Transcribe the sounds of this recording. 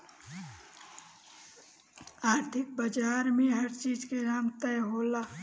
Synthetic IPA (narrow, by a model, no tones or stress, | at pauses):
aːɾt̪ʰɪk̚bad͡ʒaːɾmẽɦɐɾt͡ʃiːd͡ʒkeɾaːmt̪əɦoːlaː